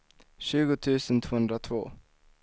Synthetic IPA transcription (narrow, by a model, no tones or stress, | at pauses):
ɕʉ̟ːɡʊt̪ʰʉ̟ːsənt̪ʰvoːhɵnd̪ɾat̪ʰvo̰ː